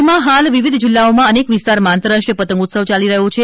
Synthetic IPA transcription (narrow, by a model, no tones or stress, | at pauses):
mãɦalʋiʋid̪ʱd͡ʒilːaomãənekʋɪst̪aɾmãːnt̪əɾaʂʈəpət̪ə̃ŋɡut̪səʋt͡ʃaliɾəɦũt͡ʃʰe